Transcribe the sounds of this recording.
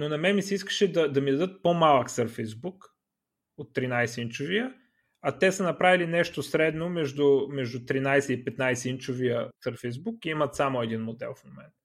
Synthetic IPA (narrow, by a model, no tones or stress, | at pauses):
nonɐmɛmisɛiskə̥ʃɛd̪ɐd̪ɐmid̪ɐd̪ɤt̪̚pomalˠəksəɾfɛjzbuk | ot̪ːɾinajsɛint͡ʃʊviə | ɐt̪ɛsənɐpɾavilinɛʃt̪osɾɛd̪nomɛʒd̪ʊmɛʒd̪ʊt̪ɾinajsɛipɛt̪najsɛint͡ʃovijəsəɾfɛzbukiimət̪samoɛd̪inmod̪ɛ̰lˠfmomɛnt̪